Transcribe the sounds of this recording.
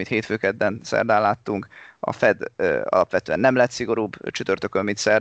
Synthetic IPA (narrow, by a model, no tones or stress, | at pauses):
it̪heːt̪føːkɛd̪ːɛnsɛ̰rd̪aːlaːt̪ːuŋkɒ̰fɛd̪ɒ̰lɒpʋɛt̪øːɛnːɛmlɛt̪siɡo̞ɾuːbt͡ʃyt̪ørt̪økømit̪sɛr